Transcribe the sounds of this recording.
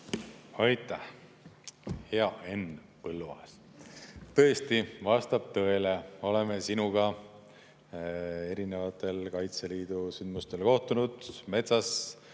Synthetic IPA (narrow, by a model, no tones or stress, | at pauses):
ɑjt̪ːˑæh | heɑe̞n | pɤlːuɑ̰es | t̪ɤ̞e̞st̪ivɑst̪ɑb̥̚t̪ɤ̞e̞leo̞le̞mesinuɡ̥ɑ | e̞ɾine̞vɑt̪ːˑe̞lkɑjt̪se̞liːd̪̥usynd̪must̪e̞lko̞ht̪unud̪̥me̞t̪sɑs